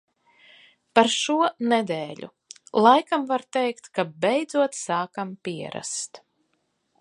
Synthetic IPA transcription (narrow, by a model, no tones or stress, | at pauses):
paɾʃuɔnɛd̪ɛːlʲṵ | lˠajkamvaɾt̪ɛjkt̪kabɛjd̪zuɔt̪saːkampʲiɛɾa̰st̪